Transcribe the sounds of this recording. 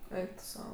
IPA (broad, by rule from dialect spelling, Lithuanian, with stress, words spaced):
ˈɛɪk tʊ ˈsɐʊ